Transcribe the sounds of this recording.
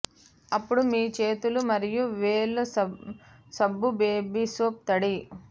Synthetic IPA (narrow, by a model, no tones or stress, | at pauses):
ɐpːuɽumiːt͡ʃe̞ːt̪ulumɐɾijuʋeːlu | sɐbːubeːbisuːp̚t̪ɐɽi